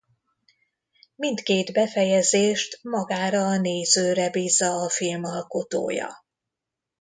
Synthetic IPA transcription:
mint̪keːd̪bɛfɛjɛzeːʃt̪mɒɡaːɾɒːneːzøːɾɛbiːzːɒːfilmɒlko̞t̪o̰ːjɒ̰

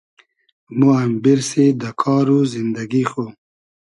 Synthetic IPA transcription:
muambiɾsed̪əkʰɑːɾuzɪnd̪aɡixo

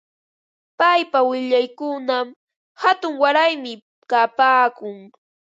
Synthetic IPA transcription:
pajpawɪʎajkʊnam | hat̪ʊŋwaɾajmɪ | kapaːkʊŋ

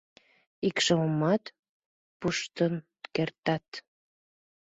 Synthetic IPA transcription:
ikʃəmɑt̪ | puʃt̪ən | kert̪ɑt̪

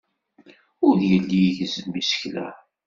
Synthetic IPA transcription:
ʊɾjəlːiʝəzənmisə̥çlæ̰

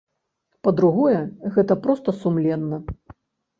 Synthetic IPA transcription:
pɐd̪ɾuɣɔjɛɣɛt̪ɐpɾɔst̪ɐsumlʲɛnːɐ

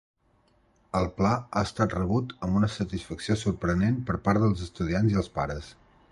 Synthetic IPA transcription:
əlˠplaaəst̪at̪rəβ̞ut̪əmbunəsət̪isfəksiosuɾpɾənenpəɾpaɾðəlˠzəst̪uðianziəlˠspaɾəs

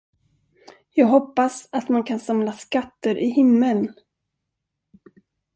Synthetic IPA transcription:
jɑːɡɦɔpːasat̪mankʰansamlaskat̪ːəɾʔɪhɪmːən

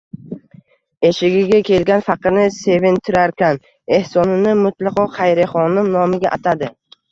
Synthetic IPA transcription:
e̞ʃɪɡʲɪɡʲakʲʰe̞lɡʲanfɑqɨɾnɪse̞vɪnt̪ʰɪɾaɾkʲan | e̞hsɒnɪnɪmʊt̪ʰlˠɑqɒqʰɑjɾɪχɒnɪmnɒmɪɡʲaʔat̪ʰad̪ɪ

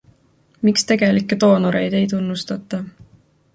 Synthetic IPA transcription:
mikst̪e̞ɡ̥e̞likːˑet̪o̞ːnuɾe̞jd̪̥e̞jt̪unːust̪ɑt̪ːˑɑ

